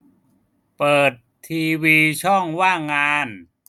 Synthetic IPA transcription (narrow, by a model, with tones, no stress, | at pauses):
pɤː˨˩t̪ʰːiː˧wiː˧t͡ɕʰɔ˥˩ŋwaː˥˩ŋaː˧n